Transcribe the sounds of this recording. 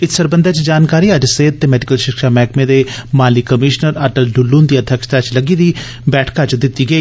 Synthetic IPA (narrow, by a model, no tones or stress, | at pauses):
ɪssəɾbə̃nd̪et͡ʃd͡ʒaːnkaːɾiɐd͡ʒseːd̪̚t̪emɛːɖɪkəlʃɪkʃamɛːkmẽd̪emaːlikəmɪːʃnəɾɐʈəlɖʊlːuːnd̪iːɐd̪ʱjəkʃt̪at͡ʃləɡid̪i | bɛːʈʰkat͡ʃd̪ɪt̪ːiɡɐiː